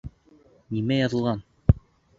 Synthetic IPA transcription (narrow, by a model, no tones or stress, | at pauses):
nimæjɑðɤ̆lˠʁɑn